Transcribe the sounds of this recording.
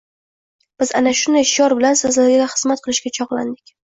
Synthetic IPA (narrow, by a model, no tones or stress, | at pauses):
b̥ɪza̰naʃʊnd̪ajʃjɒɾbɪlansɨzlaɾɡʲɪɡʲaχɨz̥mat̪̚qʰɨlˠɪʃɡʲat͡ʃʰɒʁlˠa̰nd̪ɪkʲ